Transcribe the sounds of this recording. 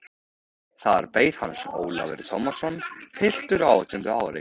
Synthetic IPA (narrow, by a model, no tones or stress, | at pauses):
θaða̰ɾpeːjðha̰nso̰ːwla̰vɪ̰ɾt̪ʰowmasɔnːhɪl̥t̪ʏɾawt̪ʰʏnt̪ʏaːwɾɪ̰